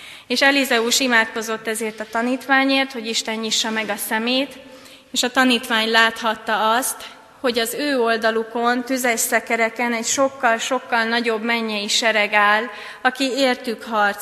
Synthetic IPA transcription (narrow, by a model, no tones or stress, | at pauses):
eːʃɛlizɛuʃimaːt̪ko̞zo̞t̪ːɛzeːrt̪ɒt̪ɒniːt̪ʋaːɲeːrt̪ho̞ɟiʃt̪ɛnjiʃːɒmɛɡɒsɛmeːt̪ | eːʃɒt̪ɒniːt̪ʋaːɲlaːt̪hɒt̪ːɒɒst̪ | ho̞ɟɒzøːo̞ld̪ɒluko̞nt̪yzɛʃsɛkɛɾɛkɛnɛcʃo̞kːɒlʃo̞kːɒlnɒɟo̞bmɛɲːɛjiʃɛɾɛɡaːl | ɒkieːrt̪ykhɒrt̪